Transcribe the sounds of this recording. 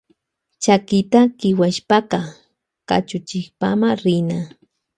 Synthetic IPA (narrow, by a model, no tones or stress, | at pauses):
t͡ʃakɪt̪akɪwaʃpakɑ | ka̰t͡ʃʊt͡ʃɪχpamaɾɪna